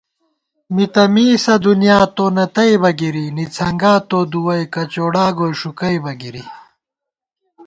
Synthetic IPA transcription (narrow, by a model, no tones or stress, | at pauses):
mit̪ɐmiːsɐd̪unjaːt̪oːnɐt̪ɐjbɐɡiɾinit͡sʰɐŋɡaːt̪oːd̪uwɐjkɐt͡ɕoːɽaːɡoːjʂukɐjbɐɡiɾi